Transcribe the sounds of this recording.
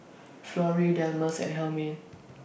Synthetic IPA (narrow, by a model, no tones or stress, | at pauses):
flɔɹidɛlməsɛ̰̃nɦɛlmẽn